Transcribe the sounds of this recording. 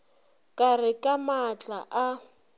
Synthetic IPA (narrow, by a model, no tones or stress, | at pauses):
kʼarɪkʼamat͡ɬʼaʔa